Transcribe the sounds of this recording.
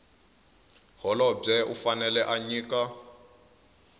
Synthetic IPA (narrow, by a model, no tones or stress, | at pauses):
hɔlɔb͡ʐɛʔufanɛlɛʔaɲiːka